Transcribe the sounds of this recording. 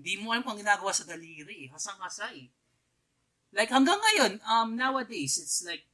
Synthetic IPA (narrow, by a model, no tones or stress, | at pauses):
nd̪imoʔɐlamkɐŋɡɪnaːɡɐwaːsɐɡɐliːɾiɦɐsɐŋhɐsaj | lajkhɐŋɡaŋːɐjo̞nʔɐmnawɐd̪ejsɪt̪slajk̚